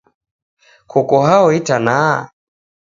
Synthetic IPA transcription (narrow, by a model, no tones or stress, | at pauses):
kʰɔkɔɦaɔitana